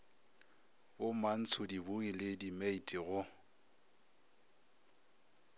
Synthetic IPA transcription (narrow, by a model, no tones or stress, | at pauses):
bʊman̩t͡sʰʊdibʊɣilɪdimeitʼiɣʊ